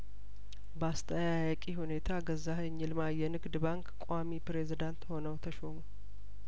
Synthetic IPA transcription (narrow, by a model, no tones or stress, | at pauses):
bast̪ʰəjajkʼihune̞t̪ʰaɡəzːahəɲːɪlmajɛnɨɡd̪baŋkkʷʼoamipɾe̞zid̪ant̪ho̞nəwt̪ʰəʃomu